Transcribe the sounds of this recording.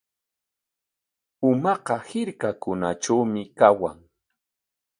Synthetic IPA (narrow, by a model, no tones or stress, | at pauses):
ʊmɑqɑhɪɾkakʊnaʈ͡ʂawmɪkawa̰ŋ